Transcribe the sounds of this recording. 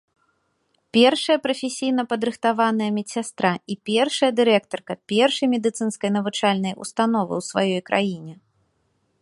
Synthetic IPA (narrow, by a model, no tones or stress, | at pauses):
pʲɛrʂɐjɐpɾɐfʲesʲijn̪ɐpɐd̪ɾɨxt̪avanɐjɐmʲɛsʲast̪ɾaipʲɛrʂɐjɐd̪ɨɾɛkt̪ɐrkɐpʲɛrʂɐjmʲɛd̪ɨt̪sɨnskɐjnɐvɨt͡ʂalʲnɐjṵst̪an̪ɔvɨ̰wsvajɔjkɾʔa̰jinʲɛ